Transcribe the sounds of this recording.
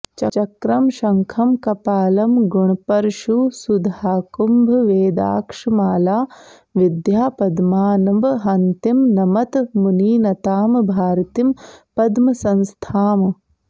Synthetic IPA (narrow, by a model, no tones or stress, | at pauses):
t͡ʃɐt͡ʃɐkɾɐmʃɐŋkʰɐmkɐpaːlɐmɡuɳpɐɾʃusud̪ʱaːkumbʱɐʋeːd̪a̰ːkʂɐmaːlaː | ʋid̪jaːpɐd̪maːnɐbɦɐnt̪imnɐmɐt̪muniːnɐt̪aːmbʱaːɾt̪impɐd̪mɐsɐnst̪ʰaːm